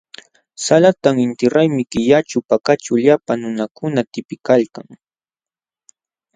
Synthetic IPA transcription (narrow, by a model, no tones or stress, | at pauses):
salat̪aŋɪnt̪ɪɾajmɪkɪjat͡ʃʊpakat͡ʃaʎapanʊnakʊnat̪ɪpɪkalkaŋ